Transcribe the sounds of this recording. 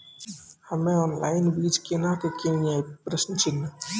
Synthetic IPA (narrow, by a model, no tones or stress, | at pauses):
həmẽɔːnla̰ːɪnbid͡ʒkenakəkẽapɾəsnt͡ʃʰinːa